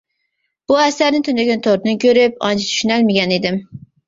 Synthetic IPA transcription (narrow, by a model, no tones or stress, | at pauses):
b̥ʊasaɾnɪŋt̪ʰʊnɪɡʲɪnt̪ʰoɾt̪nɪkʲɵɾɪpɒnt͡ʃʰɪ̥t̪ʰʊ̥ʃɪnalmeɡʲaned̪ɪm